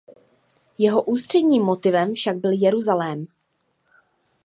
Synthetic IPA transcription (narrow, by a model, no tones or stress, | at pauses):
jɛɦo̞ʔuːst̪r̝̥ɛdɲiːmːot̪ɪvɛɱfʃaɡ̚bɪljɛɾuzalɛːm